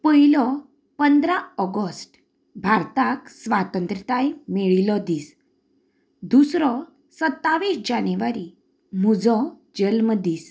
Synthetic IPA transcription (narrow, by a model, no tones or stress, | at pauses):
pəɦilɔ | pənd̪ɾaɔɡəsʈ | bʱaɾt̪aksʋat̪ənt̪ɾit̪ajmiɭilɔd̪iːs | d̪usɾɔ | sət̪ːaʋisd͡ʑanʋaɾi | mud͡zɔ | d͡ʑəlməd̪iːs